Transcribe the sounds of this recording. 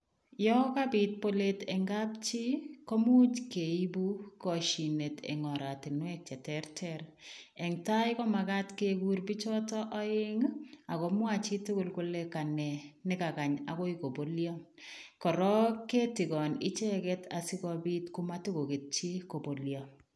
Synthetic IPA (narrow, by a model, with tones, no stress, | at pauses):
jɔ˦ka˦bi˨t̚po˦letɛ˨ŋɡa˦p̚t͡ʃi˦kɔ˦mu˦t͡ʃke˨i˦bu˦kɔ˨ʃi˨ne˨tḛ˨ŋɔ˨ɾa˨tɪ˨nwɛ˦k̚t͡ʃɛ˨tɛ˦ɾtʰɛɾɛ˨ŋta˦jkɔ˦ma˨ka˦tke˦ɡu˦ɾbi˦t͡ʃɔ˦tɔ˦ʔɔ˦ɪ˦ŋa˨kɔ˨mwa˦t͡ʃi˦tʊ˦kʊ˨lkʊ˦le˦ka˨nɛ˨nɪ˦ka˨ka˨ɲa˨kɔ˦iko˨bo˦ljɔ˦ | kɔ˨ɾɔ˦ke˦tɪ˨kɔ˨nɪ˦t͡ʃɛ˦kɛtʰa˨si˦kɔ˨bi˦tkʊ˦ma˦tu˦ko˨ke˨t̚t͡ʃi˦ko˨bo˨ljɔ˨